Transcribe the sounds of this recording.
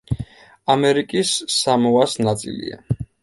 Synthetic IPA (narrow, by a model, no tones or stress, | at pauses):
amɛɾikʼisːamɔasnat̪sʼḭlḭa̰